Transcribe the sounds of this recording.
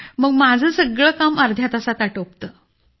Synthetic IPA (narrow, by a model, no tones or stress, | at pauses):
məɡmad͡zʱəːsəɡɭəːkaməɾd̪ʱjat̪asat̪aʈəp̚t̪ə